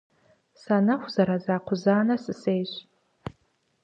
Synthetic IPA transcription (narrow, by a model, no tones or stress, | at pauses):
sanaxʷz̥aɾazaːqʷʰʊzaːnɐsɨsejɕ